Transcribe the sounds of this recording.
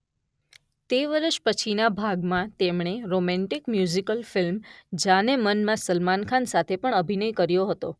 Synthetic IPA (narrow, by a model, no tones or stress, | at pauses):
t̪eʋəɾəʃpət͡ʃʰinabʱaɡmãt̪emɳ̃eɾomɛ̃ɳʈikmjuzikəlfɪlmd͡ʒanemənmãsəlmankʰansat̪ʰepəɳəbʱinəjkəɾjoɦət̪o̰